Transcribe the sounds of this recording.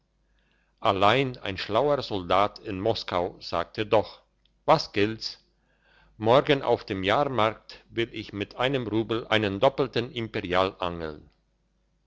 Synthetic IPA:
ʔalaɪna̰ɪnʃlaʊəʁzɔldaːtʰɪnmɔskaʊz̥a̰ːk̚tʰədɔχ | vasɡ̥ɪlts | mɔɐɡənʔa̰ʊfd̥eːmjaːʁmaɐk̚tvɪlɪçmɪtʔaɪnəmʁuːbl̩ʔaɪnəndɔpl̩tən̩ɪmpeʁiaːlʔaŋl̩n

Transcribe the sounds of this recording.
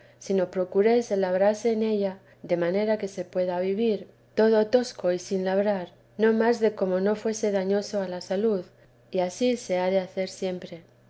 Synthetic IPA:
sino̞pɾo̞kuɾe̞selaβɾaɾse̞ːne̞ʎa | ðe̞mane̞ɾake̞se̞pwe̞ðaβiβiɾ | t̪o̞ð̞o̞t̪o̞sko̞isinlaβɾaɾ | nõ̞mazðe̞ko̞mo̞no̞fwe̞se̞ðaɲo̞so̞alasaluð | iasise̞aðe̞aθe̞ɾsje̞mpɾe̞

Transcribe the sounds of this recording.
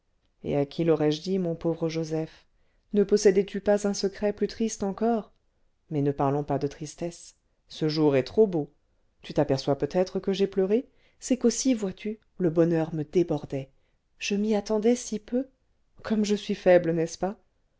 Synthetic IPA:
ḛakʲʰilɔʁɛʒd̪imɔ̃povʁəʒozɛf | nəpɔsɛd̪ɛt̪ʰypazɛ̃səkχɛplyt̪χist̪ɑ̃kɔʁ | mɛnəpaʁlɔ̃pad̪ət̪χist̪ɛsː | əʒuʁɛt̪χobo | t̪yt̪apɛʁswapøt̪ɛt̪χəkəʒɛplœʁe | sɛkosivwat̪ʰy | ləbɔnœʁməd̪ebɔʁd̪ɛ | ʒ̥əmiat̪ɑ̃d̪ɛsipø | kʰɔmʒəsɥifɛblənɛspa

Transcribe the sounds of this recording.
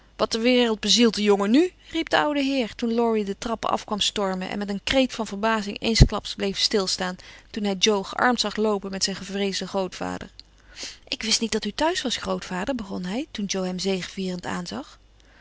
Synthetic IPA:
ʋɑt̚əʋɪːrəlˠd̚bəzilˠt̚dəjoŋənyrip̚dəʌwdəɦɪːɹtunlɔɹidətrɑpəɑ̰fkʋɑmstɔɹməʔɛ̰nmɛtənkrejtfɑnvəɹbaːzɪŋḛjnsklɑpsblejfstɪlˠstaːntunɦɛjd͡ʒowχəʔɑ̰ɹmtsɑχlowpənmɛtsɛjnχəvrejzdəχrowtfa̰ːdə̰ɹ | ʔɪkʋɪstnit̚d̥ɑtytœɥsʋɑsχrowtfaːdəɹbəχɔnɦɛjtund͡ʒowɦɛmzejχəviːrənta̰ːnzɑχ

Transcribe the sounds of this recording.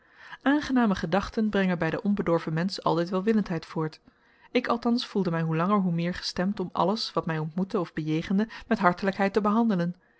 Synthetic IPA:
ʔaːnχənaːməχədɑχtənbrɛŋənbɛjdəʔɔnbədɔɹvəmɛnsɑ̰lˠtɛjtʋɛlˠʋɪləntɦɛjtfʊːɹt | ɪkɑlˠtɑnsfulˠdəmɛjɦulɑŋəɹɦumɪːɹχə̥stɛmtɔmʔɑ̰ləsʋɑtmɛjɔntmutəɔvbəjejχəndəmɛtɦɑɹtələkɦɛjtəbəɦɑndələn

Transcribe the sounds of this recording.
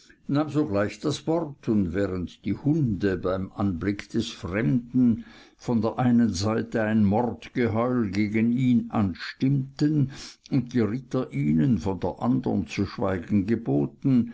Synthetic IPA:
naːmzoːɡlaɪçd̥asv̥ɔʁtʰʊndvɛːʁəntd̥iːhʊndəbaɪmʔanblɪkd̥ɛsfʁɛmdn̩ | fɔndeːɐʔaɪnənzaɪtəaɪnmɔrtɡ̥əɦɔʏlɡeːɡəniːnʔa̰nʃtɪmtənʊnt̚d̥iːʁɪtɐʔiːnənfɔndeːɐʔa̰ndə̰ənt͡suʃv̥aɪɡn̩ɡəboːtn̩

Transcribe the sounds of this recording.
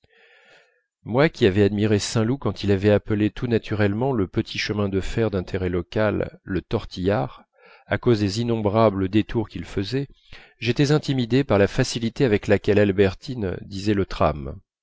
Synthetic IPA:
mwakʲiavɛad̪miʁesɛ̃lukɑ̃t̪ilavɛaplet̪ʰunat̪ʰyʁɛlmɑ̃ləpət̪ʰiʃəmɛ̃d̪əfɛʁd̪ɛ̃t̪ʰeʁɛlɔkalːət̪ɔʁt̪ʰijaʁ | a̰kozd̪ezinɔ̃bʁabləd̪et̪ʰuʁkʲilfəzɛ | ʒet̪ɛzɛ̃t̪imid̪epaʁlafasilit̪eavɛklakʲɛlalbɛʁt̪ind̪izɛlət̪χa̰m

